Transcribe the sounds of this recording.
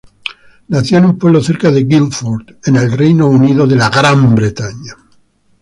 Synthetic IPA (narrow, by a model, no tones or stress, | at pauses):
naθjoenumpweβloθe̞ɾkaðeɣilfoɾt̪enelrejnouniðoðelaɣɾambɾet̪aɲa